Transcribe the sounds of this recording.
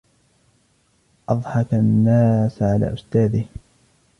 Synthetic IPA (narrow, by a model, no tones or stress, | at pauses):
ʔɑðˤħɑkanːaːsʕala̰ːʔʊst̪aːd̪ɪh